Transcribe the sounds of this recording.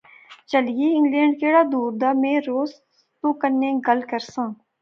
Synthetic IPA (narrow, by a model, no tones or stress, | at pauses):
t͡ʃəlijeːɪ̃ŋɡlẽːɳɖ̚keːɽaːd̪uːɾd̪aːmẽːɾoːs | t̪õːkəɾnːẽːɡəlkəɾsãː